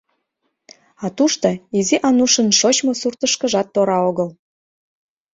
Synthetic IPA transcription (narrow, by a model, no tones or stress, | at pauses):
ɑt̪uʃt̪oiziʔɑnuʃə̆nʃot͡ɕmosurt̪əʃkəʒɑt̪ːoɾɑoɣəl